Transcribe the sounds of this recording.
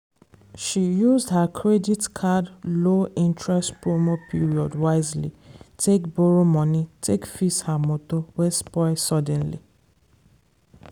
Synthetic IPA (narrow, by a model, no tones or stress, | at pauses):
ʃijuzdhakʰɹeditkʰadloĩntɹɛstpɹomopʰiɹiɔdwaɪzlḭtʰekbɔɹomɔ̃nitʰekfishamotowɛspɔɪsɔdɛ̃nlḭ